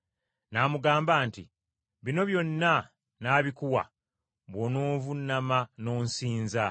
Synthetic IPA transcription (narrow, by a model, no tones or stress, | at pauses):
namuɡaːmbaːntḭ | βino̞βjo̞nːa | naːβikuwa̰ | βwonoːvunːamano̞ːnsiːnza